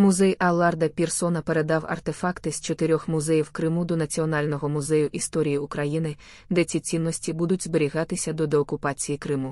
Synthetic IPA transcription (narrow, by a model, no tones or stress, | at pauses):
mʊzɛjʔɐlˠɑrd̪ɐpʲirsɔnɐpeɾe̞d̪ɑwɐ̰rt̪efɑkt̪ɪsʲt͡ʃet̪ɪɾʲɔxmʊzɛjiwkɾɪmud̪ɔnɐt͡sʲiɔnɑlʲnɔɦɔmʊzɛjʊʔist̪ɔɾʲijiʊkɾɐjinɪ | d̪ɛt͡sʲit͡sʲinːɔsʲtʲibud̪ʊtʲzbeɾʲiɣɑt̪ɪsʲɐd̪ɔd̪eɔkʊpɑt͡sʲijikɾɪmu